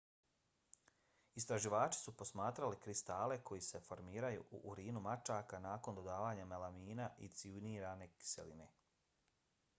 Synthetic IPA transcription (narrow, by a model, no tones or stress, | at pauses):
ist̪ɾaʒiʋaːt͡ʃi̥supo̞smaːt̪ɾalikɾist̪aːle̞kʰo̞jise̞fo̞ɾmiːɾajṵʔṵʔːɾiːnumat͡ʃaːkanaːko̞nd̪o̞d̪aːʋaːɲamalamiːnaʔḭt̪siuniːɾaːne̞ki̥sḛlḭne̞